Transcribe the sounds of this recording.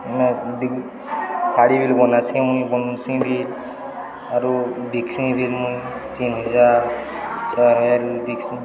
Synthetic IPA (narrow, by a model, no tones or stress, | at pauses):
mɛdi | saɽibilbɔnasĩmujbɔnsĩbil | aɾubiksĩbʱilmujt̪inɦɔza | t͡ʃaɦɛlbiksĩ